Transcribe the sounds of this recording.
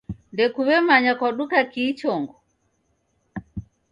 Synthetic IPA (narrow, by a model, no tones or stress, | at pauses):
ndɛkuβɛmaɲakwaɗukakiːt͡ʃɔŋɡɔ